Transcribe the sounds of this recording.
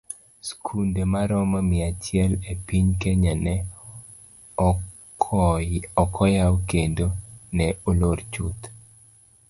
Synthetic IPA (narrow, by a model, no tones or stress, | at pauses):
skʰundemaɾɔmamɪat͡ʃɪɛlepiɲkeɲanɛ | ɔkʰɔjawkendonɛolort͡ʃṵt̪